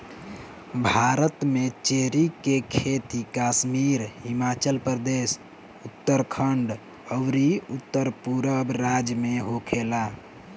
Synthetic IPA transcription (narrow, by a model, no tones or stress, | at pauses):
bʱaɾət̪met͡ʃeɦɾikekʰet̪ikasmiɾɦimat͡ʃəlpɾəd̪es | ut̪ːəɾkʰəɳɖ | əʋɾiut̪ːəɾpuɾəbɾad͡ʒmeɦokʰela